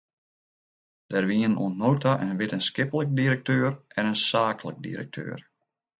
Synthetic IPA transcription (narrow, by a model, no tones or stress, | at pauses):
d̥ɛrʋiəno̰ənnːoːtʰaʔənʋɪtənskɪpələk̚diɾək̚tøːrɛnənsaːklək̚dḭɾə̰k̚tʰø̰ːər